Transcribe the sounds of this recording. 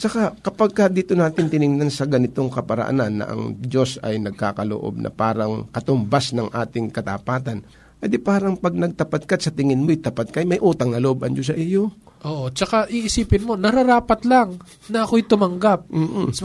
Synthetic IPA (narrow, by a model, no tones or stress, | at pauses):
t͡ʃɐkakɐpaɡ̚kɐd̪iːt̪o̞naːt̪ɪnt̪ɪnɪŋnansɐɡɐnɪt̪o̞ŋkɐpɐɾɐ̰ʔa̰nanːɐ̰ʔɐ̰ŋd͡ʒo̞sɐ̰jnɐɡ̚ka̰ːkɐlo̰ʔo̞̰b̚nʔɐ̰paːɾɐŋkɐt̪ʊmbasnɐŋʔaːt̪ɪŋkɐt̪apaːt̪ɐn | pɛd̪ɪpaːɾɐŋpɐɡ̚nɐɡ̚t̪ɐpat̪̚kat̪sɐt̪ɪŋɪnmojt̪ɐpat̪̚kɐjmɐjʔuːt̪ɐŋnɐloʔobʔɐnd͡ʒos̬ɐʔɪjo | ʔoːʔot͡ʃɐkaʔiʔɪsiːpɪnmo̞nɐɾɐɾaːpɐt̪laŋ | nɐʔɐkojt̪ʊmɐŋɡap̚m̩ː